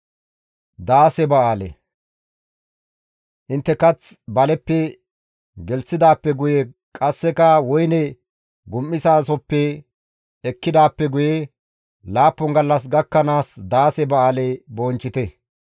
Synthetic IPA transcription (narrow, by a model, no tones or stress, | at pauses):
d̪aːsɛbɐaːlɛ̰ | ʔɪnt̪ːɛkɐt͡sbɐlɛpːɛ | ɡɛlsɪd̪aːpːɛɡʊjɛ | kʼɐsːɛkɐwɔjnɛ | ɡʊmːɪsaːs̬ɔpːɛː | kːɪd̪aːpːɛɡʊje | laːpːɔŋɡɐlːɐs̬ɡɐkːɐnaːsd̪aːsɛbɐaːlɛboːnt͡ʃːɪt̪ɛ